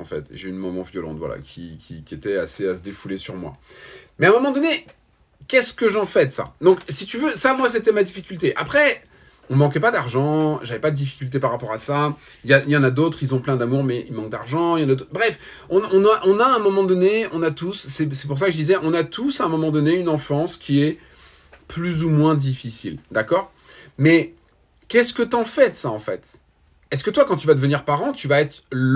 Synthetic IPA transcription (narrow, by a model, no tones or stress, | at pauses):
ɑ̰̃fɛ̰t̪ḛʒeynmɔmɑ̃vjɔlɑ̰̃t̪vwa̰la̰kʲʰikʲikʲiet̪ɛaseasəd̪efulesyʁmwa̰mɛɛ̃mɔmɑ̃d̪ɔne | kʲɛskəʒɑ̃fɛd̪sa̰d̪ɔ̃ksit̪yvøsamwas̬et̪ɛmad̪ifikʲylt̪eʔa̰pχɛ | ɔ̃mɑ̃k̬ɛpad̪aʁʒɑ̃ʒavɛpad̪əd̪ifi̥kʲylt̪epaʁːapɔʁasa | iljailjɑ̃nad̪ot̪χilzɔ̃plɛ̃d̪amuʁmɛilmɑ̃ŋk̚d̪aʁʒɑ̃iljɑ̃nad̪obʁɛf | ɔ̃ɔ̃naʔɔ̃naɛ̃mɔmɑ̃d̪ɔneɔ̃nat̪usːɛsɛpuʁs̬akəʒəd̪izɛʔɔ̃nat̪usɛ̃mɔmɑ̃d̪ɔneynɑ̃fɑ̃skʲiɛ | plyzumwɛ̃d̪ifisḭld̪akɔːʁ | mɛ | kʲɛskət̪ɑ̃fɛt̪saɑ̃fɛ̰t̪ | ɛskət̪wakɑ̃t̪yvad̪əvəniʁpaʁɑ̃t̪yvaɛt̪χ